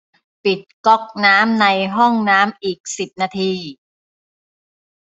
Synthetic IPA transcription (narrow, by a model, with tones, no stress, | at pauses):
pi˨˩t̪̚kɔ˦˥k̚naː˦˥mna˧jɦɔ˥˩ŋnaː˦˥mʔiː˨˩k̚si˨˩p̚naː˧t̪ʰiː˧